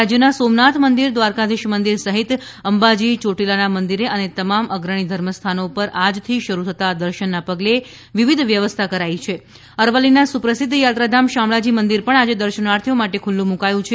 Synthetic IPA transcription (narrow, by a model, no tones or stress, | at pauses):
ad͡ʒjənasomnat̪ʰmənd̪iɾd̪ʋaɾkad̪ɪʃmənd̪iɾsəɦit̪ | əmbad͡ʒit͡ʃoʈilanamənd̪iɾeʔənet̪əmamʔəɡɾəɽ̃id̪ʱəɾməst̪ʰanopəɾad͡ʒt̪ʰiʃəɾut̪ʰət̪ad̪əɾʃənːapəɡle | ʋiʋid̪ʱʋjəʋəst̪ʰakəɾait͡ʃʰe | əɾʋəlːinasupɾəsɪd̪ʱːjat̪ɾad̪ʱamʃamɭad͡ʒimənd̪iɾpəɳad͡ʒed̪əɾʃənaɾt̪ʰijomaʈekʰulːũmũkajũt͡ʃʰe